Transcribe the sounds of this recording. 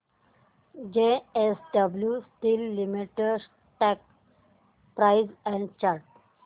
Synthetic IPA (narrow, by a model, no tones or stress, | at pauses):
d͡ʒeesɖəbljusʈilːimiʈeɖs | ʈɛk | pɾaɪzɛ̃ɳɖt͡ʃaɾʈ